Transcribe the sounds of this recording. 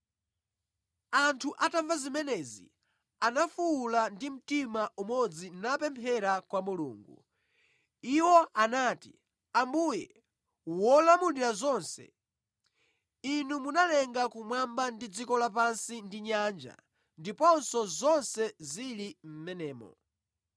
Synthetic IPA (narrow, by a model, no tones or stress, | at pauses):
antʰuʔatavazimɛnɛzḭ | anafuːlandim̩timaʔumɔd͡zinapɛmpʰɛɾakwamulṵːŋɡṵ | iwɔʔanaːti̥̰ | ambujɛ | wɔlamundiɾazɔnsɛ̰ | inumunalɛŋɡakumwambandid͡zikɔlap̬ansindiɲand͡ʒa̰ | ndipɔnsɔzɔnsɛzilim̩mɛnɛːmɔ̰